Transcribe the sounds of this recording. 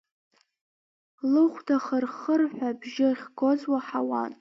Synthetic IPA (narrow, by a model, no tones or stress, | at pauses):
lɨχʷtʰaχərχərħʷᶣabʒɪχʲɡozwaħawa̰n